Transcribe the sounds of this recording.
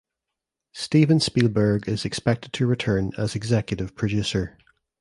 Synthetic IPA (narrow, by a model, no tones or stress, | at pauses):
stivə̃nspilˠbə˞ɡɪzɪkspɛk̚tɪd̚tʰəɹɪtʰɜ̃˞nə̰zɪɡzɛkjəʔɪv̥pʰɹ̥əd͡ʒʉsə˞